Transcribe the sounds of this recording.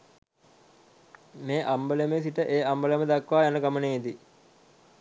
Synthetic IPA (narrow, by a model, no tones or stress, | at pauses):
meːʔambəlemes̬iʈəʔeːambəleməd̪akʋaːjanəɡaməneːid̪i